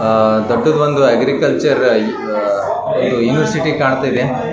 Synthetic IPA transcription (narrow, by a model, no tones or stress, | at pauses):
d̪oɖːɐd̪ʋond̪uɐɡɾikɐlt͡ʃɐɾ | ond̪ujuːniʋɐɾsiʈikaːɳt̪aːid̪e